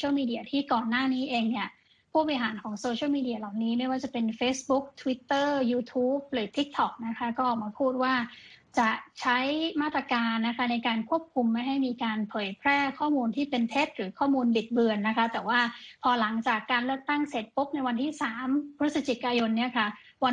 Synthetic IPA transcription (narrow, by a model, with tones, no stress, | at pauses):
wmiː˧di˨˧˩ɐt̪ʰiː˥˩kɔː˨˩nːaː˥˩niː˦˥ʔeː˧ŋni˥˩ɐ | pʰuː˥˩p̚ːɦaː˩˦nkʰɔː˩˦ŋsoː˧t͡ɕʰi˥˩wmiː˧di˧ɐ˧la˨˩wniː˦˥ma˥˩jwaː˥˩t͡ɕa˨˩pe˧nfeː˦˥sbu˦˥k̚t̪ʰu˧wi˦˥t̪ːɤː˥˩juː˧t̪ʰuː˦˥p̚lɯː˩˦t̪ʰi˦˥k̚t̪ʰɔ˨˩k̚na˦˥kʰa˦˥kɔː˥˩ʔɔː˨˩k̚maː˧pʰuː˥˩t̪̚waː˥˩t͡ɕa˨˩t͡ɕʰa˦˥jmaː˥˩t̪ːɾa˧kaː˧nːa˦˥kʰa˦˥na˧jkaː˧nkʰu˥˩əp̚kʰu˧mːa˥˩jɦa˥˩jmiː˧kaː˧npʰɤː˨˩˦jpʰɾɛː˥˩kʰɔː˥˩muː˧nt̪ʰiː˥˩pe˧nt̪ʰe˦˥t̪̚ɾɯː˩˦kʰɔː˥˩muː˧nbi˨˩t̪̚bɯ˧ənːa˦˥kʰa˦˥t̪ɛː˨˩waː˥˩pʰɔː˧la˩˦ŋt͡ɕaː˨˩kːaː˧nlɯ˥˩ək̚t̪a˥˩ŋse˨˩t̪̚po˦˥p̚na˧jwa˧nt̪ʰiː˥˩saː˩˦mpʰɾɯ˦˥sa˧t͡ɕi˨˩kaː˧jo˧nːi˥˩ɐkʰa˦˥˩ | wa˧